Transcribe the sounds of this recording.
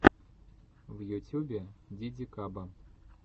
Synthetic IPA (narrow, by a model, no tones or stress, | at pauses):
vjutʲubʲɪdʲidʲikabɐ